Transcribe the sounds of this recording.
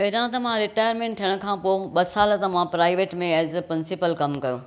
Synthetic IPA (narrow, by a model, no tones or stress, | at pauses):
eɦɾãt̪ɐmãɾɪʈaːjəɾmẽːɳʈ̚t̪ʰijəɽ̃ʊ̆kʰãːpoːɓɐsaːlt̪ɐmãpɾaːɪʋeːʈmẽɛːzpɾɪnsipəlkɐmkɐjoː